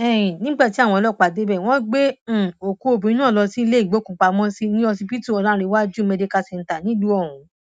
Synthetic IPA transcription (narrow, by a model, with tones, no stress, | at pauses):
ɛ̃˦˨nĩ˦ɡ͡ba˦˨ti˦a˦˨w̃ɔ̃˧ɔ˧lɔ˦˨k͡pa˨de˨˦bɛ˦˨w̃ɔ̃˦ɡ͡bẽ˦˨o˨ku˨˦o˧bũ˨ĩ˦ñ˦ã˦˨lɔ˧sĩ˦i˧le˦i˦˨ɡ͡bo˨˦kũ˨k͡pa˨˧mɔ̃˦si˦nĩ˦ɔ˧si˧pi˦tu˦˨ɔ˨˧lã˦˧ɾe˧˦wa˦d͡ʒu˦˨me˧de˧ka˧sɛ˧˨n̩˨ta˨nĩ˨˦du˦ɔ˦˨hũ˨˦